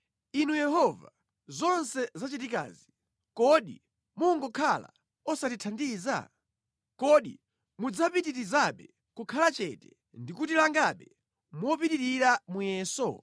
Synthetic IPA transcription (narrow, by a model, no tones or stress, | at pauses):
inujɛhɔva̰ | zɔnsɛzat͡ʃitika̰ːzi | kɔɗi | muŋɡɔkʰala̰ | ɔsatitʰandiːza̰ | kɔɗi | mud͡zapitiɾizaɓɛ | kukʰalat͡ʃɛtɛ̥ | ndikutilaŋɡaɓɛ | mwɔpitiɾiɾamujɛːsɔ̰